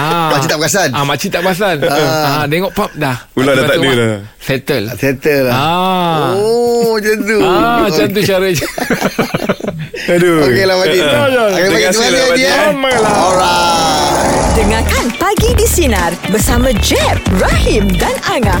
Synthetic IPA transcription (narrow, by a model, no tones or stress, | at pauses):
amat͡ʃit̪ap̚kasanamat͡ʃit̪aʔp̚kas̬anadeŋɔʔpap̚dahuladat̪audula | fɛt̪əlfɛt̪əlaod͡ʒant̪uad͡ʒant̪ut͡ʃaɾəd͡ʒa | aduoelamaiajakadaaalaaiaməlaɾa | dəŋãkanpaɡidisinarbəsamãd͡ʒɛfɾahimdanaŋã